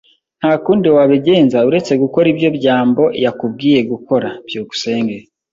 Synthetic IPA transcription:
n̥hakuːndiwaβiɟe̞ːnzauɾe̞t͡se̞ɡuko̞ɾibjo̞bɟaːmbo̞jakub̚ɡiːje̞ɡuko̞ɾab̥juːɡu̥se̞ːŋɡe

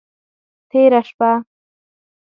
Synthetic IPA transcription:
t̪ʰeːɾaʃpa

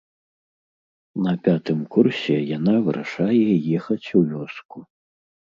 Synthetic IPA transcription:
nɐpʲat̪ɨmkursʲɛjanavɨɾʔa̰ʂajɛjɛxɐt͡sʲuvʲɔsku

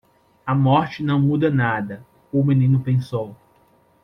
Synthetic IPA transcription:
ɐmɔɾt͡ʃɪnɐ̃w̃mud̪ɐnad̪ɐ | ʊmenĩnʊpẽsow

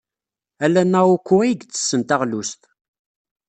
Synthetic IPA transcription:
ælːænːæukʷːuæjəɡt͡sːə̥sːənt̪æʁlust̪

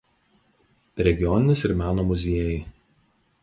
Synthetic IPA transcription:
ɾʲɛɡʲɪjɔnʲɪnʲɪsɪɾmʲæːnoːmʊzʲiɛjɛ

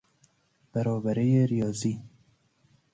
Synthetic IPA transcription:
b̥æɾɔːbæɾejeɾijɒːziː

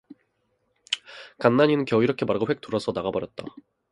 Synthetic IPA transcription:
kanːaɲinɯnkjʌiɾʌkʰemaɾɡoɸwek̚t͈uɾʌsʰʌnaɡabʌɾjʌt̚t͈a̰

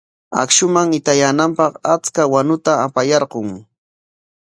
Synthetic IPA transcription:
a̰kʃʊmaŋɪt̪ajaːnampɑqat͡skawanʊt̪aːpajɑɾɢoŋ

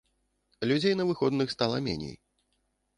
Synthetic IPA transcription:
lʲud͡zʲejnɐvɨxɔd̪nɨxst̪alˠɐ̰mʲɛ̰nʲḛj

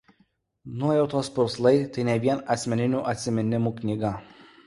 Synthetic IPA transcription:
nuɔjɛʊt̪oːspʊɾslˠɐɪt̪ɐɪnʲɛʋʲiɛnɐt̪sʲmʲɛnʲɪnʲuːʔɐt̪ʲsʲɪmʲɛnʲɪmuːknʲiːɡɐ

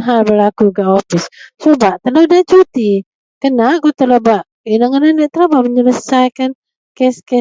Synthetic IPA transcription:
ɦalbəlakuɡaʔofissobaʔt̪əladat͡ʃut̪i | kənaʔkut̪əlobaʔ | inaŋkənandəʔt̪əlabaʔməɲələsajkan | kɛskɛ

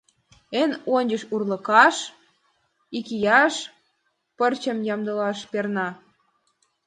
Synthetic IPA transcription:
enonʲd͡ʑəʃurlɤ̆kɑʃ | ikijɑʃ | pərt͡ɕə̆mjɑmd̪ɤlɑʃpernɑ

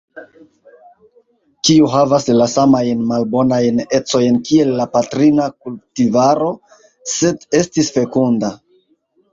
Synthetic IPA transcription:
kiuɦavaslasamajnmalbo̞najne̞t͡so̞jnkie̞lːapatɾinakultivaɾo̞ | se̞de̞stisfe̞kunda

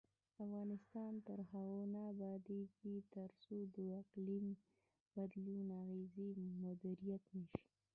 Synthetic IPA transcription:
afɣɑnɪst̪ɑnt̪əɾhaɣonɑbɑd̪ekit̪əɾsod̪əɪqlim | b̥ad̪lunaɣezimʊd̪iɾijat̪nəʃi̥

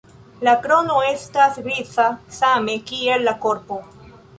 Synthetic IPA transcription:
lakɾo̞no̞e̞stasɾit͡sasame̞kie̞lːako̞ɾpo̞

